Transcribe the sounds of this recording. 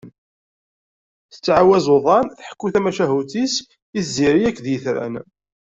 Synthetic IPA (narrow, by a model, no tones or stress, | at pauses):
θə̥t͡sːʕawæzoðˤɑnθħə̥kːuθæmæʃæɦut̪is | izːiɾiækːðjəθɾæ̰n